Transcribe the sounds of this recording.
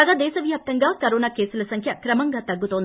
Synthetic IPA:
ɐɡaːd̪ɛːʃɐʋjaːp̚t̪ɐŋɡaːkɐɾoːnaːke̞ːsulɐsɐŋkʰjɐkɾɐmɐŋɡaːt̪ɐɡːut̪oːnd̪i

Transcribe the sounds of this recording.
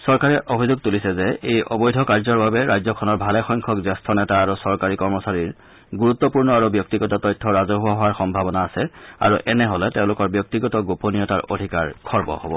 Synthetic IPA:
sɔɹkaɹɛʔobʱizoɡ̚tulisɛzɛʔejɔ̰bɔjdʱɔkaɹzɔɹbabɛɹajzɔkʰɔnɔɹbʱalɛxɔjŋkʰɔkzɛstʰɔnɛtaːɹusɔɹkaɹikɔɹmɔsaɹiɹ | ɡuɹut̪ːɔpuɹnɔaɹubjɔk̚tiɡɔtɔtɔjtʰːɔɹazɔɦʊwaɦɔwaɹxɔmbʱabɔnaːsɛa̰ɹuʔɛnɛɦɔlɛteʊ̃lʊkɔɹbjɔk̚tiɡɔtɔɡoponijɔtaɹʔo̰dʱikaɹkʰɔɹbɔ̰hɔ̰bɔ̰

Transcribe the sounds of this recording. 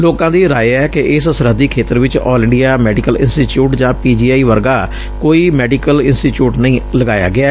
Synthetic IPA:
loːkãːd̪iːɾaːjɛːkeʔɪsəsəɾəd̪iːkʰeːt̪əɾʋɪt͡ʃɔːlɪ̃ɳɖijaːmɛːɖikəlɪ̰nsʈiːʈjuːʈd͡ʒãːpiːd͡ʒiːaːiːʋəɾɡaː | koːiːmɛːɖikəlɪnsʈiːʈjuːʈnəĩːləɡaːja̰ːɡɪaː

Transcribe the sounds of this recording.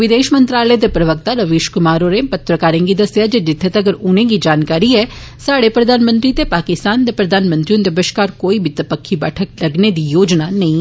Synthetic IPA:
ʋɪd̪eːʃmə̃nt̪ɾaːləed̪eːpɾəʋək̚t̪aɾəʋeːʃkʊmaːɾoɾepət̪ɾəkaːɾẽːŋɡid̪əsɪjaːd͡ʒeːd͡ʒɪt̪ʰːeːt̪ɐɡəɾʊnẽːɡiːd͡ʒaːnkaːɾiɛː | saːɽepɾəd̪aːnmə̃nt̪ɾiːt̪epaːkɪst̪aːnd̪eːpɾəd̪ʱaːnmə̃nt̪ɾiũd̪ebəʃkaːɾkoːibɪt̪əpəkʰːibɛ̰ːʈʰək̚ləɡned̪iːjoːd͡ʒnaːnəĩː

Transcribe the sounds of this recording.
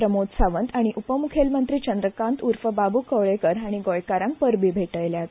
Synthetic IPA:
ɾəmot̪saʋənt̪aɽ̃iʔupəmukʰelmənt̪ɾiːt͡ɕənd̪ɾəkãnt̪uɾfəbabukəʋɭekəɾaɽ̃iɡojkaɾãŋk̚pəɾbʱiːbʱeʈəjljat̪

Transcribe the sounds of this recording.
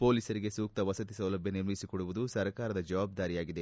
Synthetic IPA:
po̞ːliːsɐɾiɡe̞suːk̚t̪ɐʋɐsɐt̪isɐwlɐbʱjɐniɾmɐjisikoɽuʋud̪usɐɾkaːɾɐd̪ɐd͡ʒɐʋaːb̚d̪aːɾijaːɡid̪e̞

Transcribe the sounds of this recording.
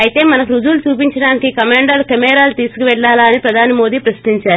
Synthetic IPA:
ɐjit̪e̞ːmɐnɐkuɾud͡ʒuːlut͡ʃuːpiɲt͡ʃɐɽaːnikikɐmaːɳɖɐlukɐmɛːɾaːlut̪iːsu̥kuʋɛɭːaːlaːnipɾɐd̪ʱaːnimo̞ːd̪iːpɾɐsɐ̥t̪iɲt͡ʃaːɾu

